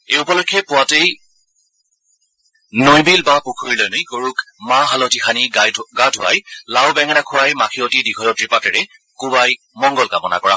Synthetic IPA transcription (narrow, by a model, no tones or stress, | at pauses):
ejupɔlɔkʰːɛpʊwatej | nojbilbapukʰuɹilɔjnɔjkoɹukmaɦalotixʰaniɡadʱʊ̰a̰jlawbɛŋɛnakʰʊɹajmakʰiotidiɡʰʱɔjɔtɹipatɛɹɛ | kubaj | mɔŋɡɔlkamɔna̰kɔɹa̰